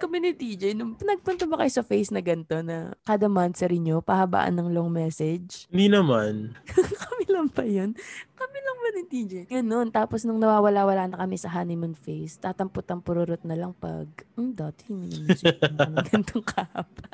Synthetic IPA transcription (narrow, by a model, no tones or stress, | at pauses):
kɐmɛnɪt̪iːd͡ʒɐjnʊŋpnɐɡ̚pʊnt̪ɐbɐkɐjosɐfejsnɐɡɐnt̪o̞nɐ̰kaːd̪ɐmansɛɾɪɲopɐhɐba̰ʔɐ̰nːɐŋloŋmɛːsɛd͡ʒɪd̪inɐmankɐmilɐŋpɐjonkɐmilɐŋmɐnɪt̪iːd͡ʒɛjɡɐno̞nt̪aːposnʊŋnɐwaːwɐlawɐlaːnɐkɐmɛsɐɦanɪmɐnfejst̪aːt̪ɐmpʊt̪ɐŋpʊɾʊɾot̪̚nɐlɐŋpɐ̰ɡ̚d̪at̪hɪninɐnsɡɐnt̪oŋkʰapɐ